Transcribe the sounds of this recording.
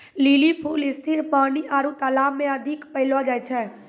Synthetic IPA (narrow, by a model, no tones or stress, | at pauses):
liːlipʰuːlɪst̪ʰiɾpaːniʔaːɾut̪alaːmːẽəd̪ʱɪkpəɦɪlʋad͡ʒaːjt͡ʃʰɛː